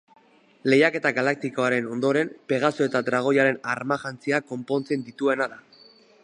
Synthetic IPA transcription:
le̞jake̞t̪aɣalak̚t̪iko̞aɾe̞no̞nd̪o̞ɾe̞mpe̞ɣ̞asoet̪ad̪ɾaɣ̞o̞jaɾe̞naɾmaʝant͡siako̞mpo̞nt͡se̞nd̪it̪ue̞naða

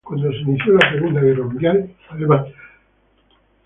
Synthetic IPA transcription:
kwand̪oseniθjolaseɣund̪aɣiromɡjan | aleβat̪

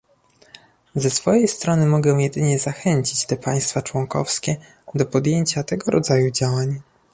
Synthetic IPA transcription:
zɛsfɔjejst̪ɾɔnɘmɔɡɛw̃jɛd̪ɘɲɛzaxɛɲt͡ɕit͡ɕt̪ɛpaj̃st̪fat͡ʂwɔŋkɔ̰fskʲɛ | d̪ɔpɔd̪jeɲt͡ɕat̪ɛɡɔɾʔɔd̪zajud͡ʑawaɲ

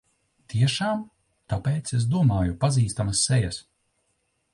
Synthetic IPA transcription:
t̪ʰiɛʃaːm | t̪apɛːt̪ses̬d̪uɔmaːjupaziːst̪amɐsːɛjɐs

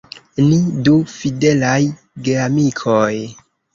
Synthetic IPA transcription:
nidufide̞laj | ɡeamikʰoj

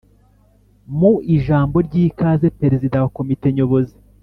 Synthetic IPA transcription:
muiʒaːmbo̞ɾɟiːkaːzepɾeɾezidawako̞mite̞ɲo̞βo̞zi

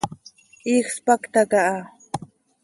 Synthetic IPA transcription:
ixspakt̪akaʔa

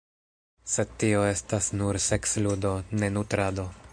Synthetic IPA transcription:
se̞d̪̚tio̞e̞stasnuɾse̞ksludo̞ne̞nutɾado̞

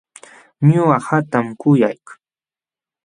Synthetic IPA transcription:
ɲʊahat̪amkʊjajk

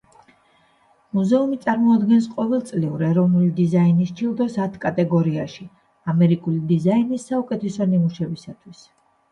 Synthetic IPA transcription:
muzɛumit̪sʼaɾmɔad̪ɡɛnsqʼɔvɛlˠt̪sʼliuɾɛɾɔvnulid̪izainist͡ʃʰilˠd̪ɔsat̪ʰkʼat̪ʼɛɡɔɾiaʃi | amɛɾikʼulid̪izainisːaukʼɛt̪ʰɛsɔnimuʃɛbisat̪ʰwis

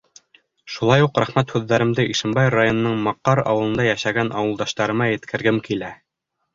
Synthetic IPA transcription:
ʃulˠɑjuqɾæχmæt̪hʉðːæɾɘ̆md̪ɘʔiʃɘ̆mbɑjrajonɤ̆nɤɴmɑqːɑɾɑ̰wɤ̆lˠɤ̆nd̪ɑjæʃæɡænʔɑwɤ̆lˠd̪ɑʃt̪ɑɾɤ̆mɑjɘ̆t̪kʰɘ̆ɾɡɘmkilæ

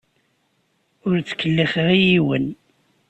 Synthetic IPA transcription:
ʊɾt͡sːə̥kːəlːiχʁijiwə̰n

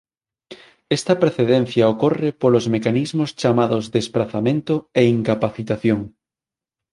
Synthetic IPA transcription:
est̪apɾeθeðen̟θjaokorepolozmekanizmost͡ʃamaðozðespɾaθamẽnt̪oeiŋkapaθit̪aθjoŋ

